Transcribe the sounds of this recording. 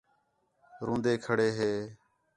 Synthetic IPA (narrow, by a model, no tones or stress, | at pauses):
ɾõːnd̪eːkʰəɽeːɦeː